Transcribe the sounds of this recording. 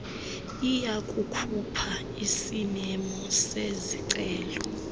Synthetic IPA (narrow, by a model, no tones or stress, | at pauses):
ijakʼukʰupʰa | isimɛmɔseziǀɛːlɔ